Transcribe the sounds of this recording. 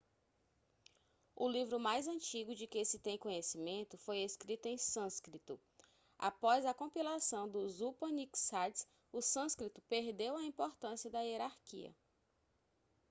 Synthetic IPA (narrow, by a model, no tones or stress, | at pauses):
ʊlivɾʊmajzɐ̃t͡ʃiɡʊd͡ʒɪkesɪt̪ẽj̃kõɲesimẽnt̪ʊfojeskɾit̪ʊẽj̃sɐ̃skɾit̪ʊ | a̰pɔzɐkõpilasɐ̃w̃d̪ʊzupɐ̃niksat̪s | ʊsɐ̃skɾit̪ʊpeɾd̪ewɐĩpoɾt̪ɐ̃siɐd̪ɐieɾaɾkḭɐ̰